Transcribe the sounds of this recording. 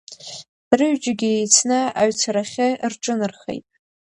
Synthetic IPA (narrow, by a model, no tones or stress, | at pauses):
rɨɥd͡ʒaɡʲɪejt͡sʰnɨaɥt͡sʰaɾaχʲɪrʈ͡ʂʼɨnɨrχḛjtʼ